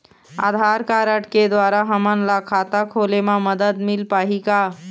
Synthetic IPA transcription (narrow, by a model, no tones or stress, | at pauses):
a̰d̪ʱaɾkaɾəʈked̪waɾaɦəmənlakʰat̪akʰolemãməd̪əd̪milpaɦika